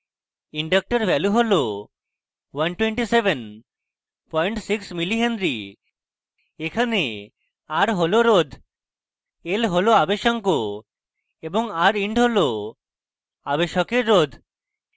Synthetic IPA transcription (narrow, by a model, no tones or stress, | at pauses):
iɳɖak̚ʈɔɾbɛluɦolo | wanʈweɳʈiseben | pɔjɳʈsiksmiliɦend̪ɾi | ekʰane | aɾɦoloɾod̪ʱ | elɦoloabeʃɔŋko | ebɔŋaɾiɳɖɦolo | abeʃɔkeɾːod̪ʱ